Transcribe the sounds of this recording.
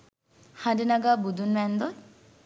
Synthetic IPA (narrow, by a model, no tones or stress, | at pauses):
haɳɖinɐɡaːbud̪unʋænd̪o